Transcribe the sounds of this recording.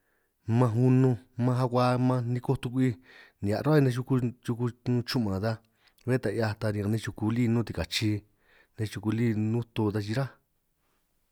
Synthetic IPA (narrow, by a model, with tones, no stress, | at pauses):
mã˧ɦu˧nũ˧mã˧ɦa˧kʷa˧mã˧nĩ˧ko˦t̪u˧kʷi˦nĩ˨a̰˨ɾo˦i˧nẽ˧ʃ̬u˧ku˧ju˧ku˧nũ˦t͡ʃu˦ʔmã˨ða˧ | βe˦t̪a˧i˧a˧t̪a˧nĩ˧ã˧nẽ˧˦t͡ʃu˧ku˧liː˦˧nũ˦t̪i˧ka˨t͡ʃi˧ | nẽ˧t͡ʃu˧ku˧li˦nũ˦t̪o˧d̪a˧t͡ʃi˧ɾa˦